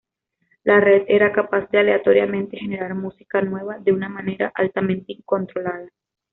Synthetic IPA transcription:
lare̞ðe̞ɾakapazd̪ealeat̪oɾjamẽ̞nt̪e̞xe̞ne̞ɾaɾmusi̥kanwe̞βaðe̞unamane̞ɾa̰ʔalt̪amẽnt̪eiŋko̞nt̪ɾo̞laða

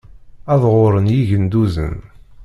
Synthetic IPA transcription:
æðʁoɾˤənjiʝənd̪uzə̰n

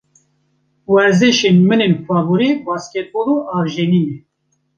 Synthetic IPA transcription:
wɛɾzɨʃenmɨnenkɑːbuɾebaːskʲɛt̪̚boloʔɑːvʒeniːnɛ

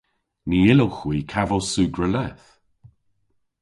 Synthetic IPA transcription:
niɪlowxwiːkʰavəwsʉːɡɹəlɛθ

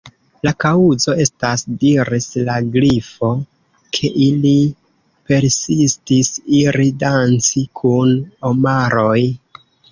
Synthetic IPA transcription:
lakauzo̞e̞stasdiɾislaɡɾifo̞ | kʰe̞ʔili | pe̞ɾsistisiɾidant͡sikʰunomaɾo̞j

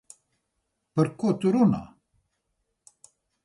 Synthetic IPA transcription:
pəɾkot̪uɾuna̰

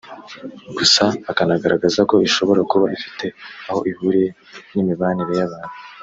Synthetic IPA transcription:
ɡusaːkanaɡaɾʔa̰ɡazako̞iʃo̞βo̞ɾakuβaifi̥te̞aho̞̰ʔihuɾe̞ | nimiβaːniɾe̞jaβaːn̥hu

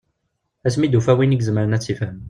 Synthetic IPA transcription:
æsmid̪ufæwiniɡzəməɾənæt͡sːifhəm

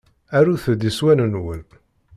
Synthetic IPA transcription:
æɾuθəd̪iswænənwən

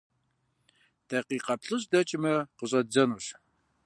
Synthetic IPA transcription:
tʰɐqiːqɐpɬʼɨɕdɐt͡ʃʼɪmɐqəɕʼɐd͡zɐnuɕ

